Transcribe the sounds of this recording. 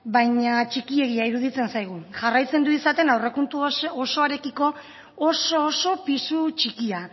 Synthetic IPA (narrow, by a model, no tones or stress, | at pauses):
bajɲat͡ʃikie̞ɣiaiɾuð̞it͡se̞nsajɣ̞uʝarajt͡se̞nd̪uisat̪e̞nawre̞kunt̪uosoaɾe̞kiko̞ː | so̞ːso̞pisut͡ʃikia